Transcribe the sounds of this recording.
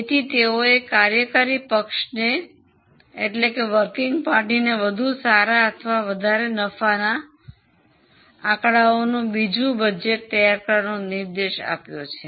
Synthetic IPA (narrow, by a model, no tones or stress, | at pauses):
et̪ʰit̪eoekaɾjəkaɾipəkʃne | ḛʈlekeʋəɾkɪŋɡpaɾʈineʋəd̪ʱusaɾaət̪ʰʋaʋəd̪ʱaɾenəfana | ãkɽaonũbid͡ʒũbəd͡ʒeʈ̚t̪əjaɾkəɾnonɪɾd̪eʃa̰pjot͡ʃʰe